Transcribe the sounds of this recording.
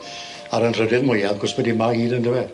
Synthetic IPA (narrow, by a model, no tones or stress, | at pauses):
aɾənr̥ədɪðmʊjaɡɔsbɛdimaɡiːnəndɪwɛ